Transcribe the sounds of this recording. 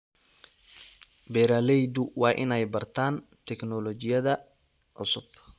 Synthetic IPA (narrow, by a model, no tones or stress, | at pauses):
bɛːɾaːlɛjd̪ʊwɑːʔɪ̰nɛjbɐrt̪ʰaːnt̪ʰɛknɔlɔt͡ʃɪjɐðɐ | ʕʊ̰sʊb